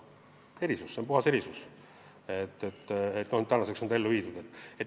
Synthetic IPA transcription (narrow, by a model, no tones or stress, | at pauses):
e̞ɾisusːeonpuhɑse̞ɾisus | et̪ːet̪ːet̪nonyt̪ænɑsekso̞nd̪ɑelːuviːd̪ud̪e̞t̪ːˑe̞t̪ː